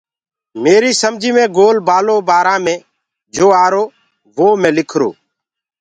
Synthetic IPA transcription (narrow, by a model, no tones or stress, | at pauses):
meːɾiːsəmd͡ʒʱiːmẽːɡoːlbaːloːbaːɾãːmẽː | d͡ʒoːaːɾoː | ʋoːmẽːlɪkʰɾo̰ː